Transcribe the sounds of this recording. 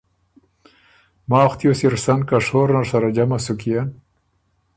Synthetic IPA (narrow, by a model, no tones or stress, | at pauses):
maːxt̪josiɾsankaʂoːɾnaʂaɾad͡ʑamasukijan